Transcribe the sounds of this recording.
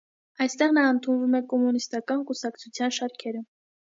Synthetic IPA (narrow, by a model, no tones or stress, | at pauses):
ɑjst̪ɛʁnɑənt̪ʰunvumɛkɔmunist̪ɑkɑnkusɑkt͡sʰut͡sʰjɑnʃɑɾkʰɛɾə